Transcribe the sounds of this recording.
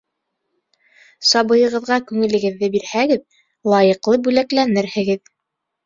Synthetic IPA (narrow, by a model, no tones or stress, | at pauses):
sɑbɤ̆jɤ̆ʁɤ̆ðʁɑkʉŋɘ̆lɘ̆ɡɘ̆ðːɘbiɾhæɡɘð | lˠɑjɤ̆qlˠɤbʉlæklænɘɾhɘ̆ɡɘð